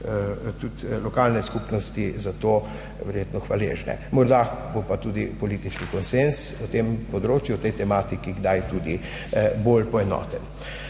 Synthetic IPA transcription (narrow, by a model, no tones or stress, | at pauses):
t̪ut̪lɔkalnɛskupnɔst̪izat̪oː | ʋɛɾjet̪nɔxʋalḛːʒnɛ̰mɔɾd̪abopat̪uːd̪ipɔliːt̪it͡ʃnikɔnsensɔt̪empɔd̪ɾoːt͡ʃjuɔt̪ɛjt̪ɛmaːt̪ikiɡd̪ajt̪uːd̪i | bolpɔɛnɔ̰ːt̪ɛn